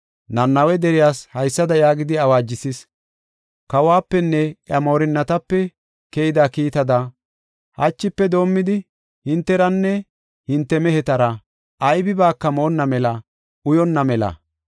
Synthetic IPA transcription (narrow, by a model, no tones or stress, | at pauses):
nɐnːɐwɛd̪ɛɾɪjaːshɐjsːɐd̪ɐjaːɡɪd̪ɪɐwaːd͡ʒːɪsɪs | kɐwaːpːɛnːɛʔjɐmo̞ːɾɪnːɐt̪ɐpːɛ | kɛjɪd̪akiːt̪ɐd̪ɐ | hɐt͡ʃːɪpːɛd̪o̞ːmːɪd̪ɪ | hɪnt̪ːɛɾɐnːɛ | hɪnt̪ːɛmɛɦɛt̪ɐɾɐ | ʔɐjbɪbaːkːɐmoːnːɐmɛlɐ | ʊjɔnːɐmɛlɐ̰